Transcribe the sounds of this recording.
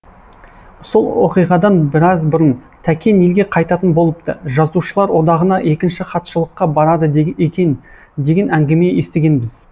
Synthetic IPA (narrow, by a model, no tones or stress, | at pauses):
solˠwoqijʁɑd̪ɑnbɪɾɑzbʊɾənt̪ʰækʲʰe̞ne̞lɡʲe̞qʰɑjt̪ɑt̪ənbo̞lˠəp̚t̪əʒɑzuʃəlˠɑɾwo̞d̪ɑʁənɑʔe̞kʲɪnʃɪχɑt̪ʃəlˠəqːɑbɑɾɑd̪əekʲen | d̪e̞ɡʲe̞næŋɡʲe̞me̞je̞st̪e̞ɡʲe̞nbɪz̥